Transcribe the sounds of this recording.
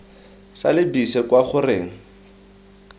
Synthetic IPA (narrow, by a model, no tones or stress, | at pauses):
sa̰lɪbisɛkwaχʊrɪːŋ̩